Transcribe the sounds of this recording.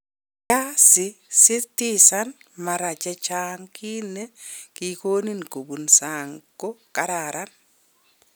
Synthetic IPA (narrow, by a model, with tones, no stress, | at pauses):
t͡ʃa˦sɪsɪ˦tisanma˨ɾa˨t͡ʃa˦t͡ʃaŋki˦ne˦ki˨ko˦ni˦nko˨bu˨nsaŋɡo˦ka˦ɾaɾa˦n